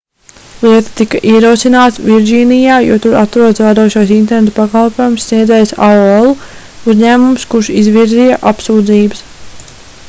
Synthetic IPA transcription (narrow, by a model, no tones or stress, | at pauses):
lˠiɛt̪ḁt̪ikaʔiɛɾuɔsinaːt̪viɾʲd͡ʒiːnijaːjṵɔt̪uɾat̪ɾuɔd̪svaːd̪oɔʃajs̬int̪ɛɾnet̪pakalˠpoːjumsːniɛd̪zɛjsa̰oelˠu | uzɲæːmumskuɾʃizʋiɾzijaʔapsuːd̪ziːbəs